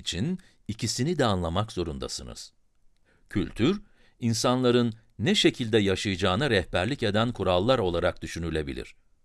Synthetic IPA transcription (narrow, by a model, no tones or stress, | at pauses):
it͡ʃʰin | icʰisinid̪ɛanlˠamakz̥o̞ɾund̪a̰sɯnɯ̰z̥ | cʰylʲt̪ʰyɾ | insanlˠaɾɯnː | ɛʃe̞cʰilʲd̪ɛjaʃajɯd͡ʒaːnaɾɛhbæɾlʲice̞d̪ænkʰuɾalˠːaɾo̞lˠaɾak̚d̪yʃynylʲe̞bilʲḭɾ̝̥